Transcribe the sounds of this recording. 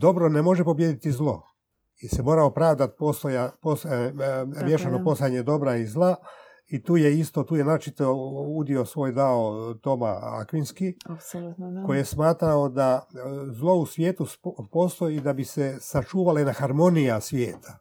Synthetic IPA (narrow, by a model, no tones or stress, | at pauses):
d̪o̞bɾo̞nemo̞ʒe̞po̞bje̞d̪it̪izlˠo̞̰ | isemo̞ːɾaopɾaʋd̪at̪̚post̪ojapos | mjeʃanopo̞saaɲed̪o̞bɾaizlˠa | it̪uːjeist̪o̞t̪uːjenaɾot͡ʃit̪oud̪iosʋo̞ːjd̪aot̪o̞ma̰a̰kʋinskiako̞jije̞smaːt̪ɾaod̪azlˠo̞usʋjeːt̪uspoːst̪o̞jid̪abisesat͡ʃuːʋalainaxaɾmo̞nijasʋʲjeːt̪ʰḁ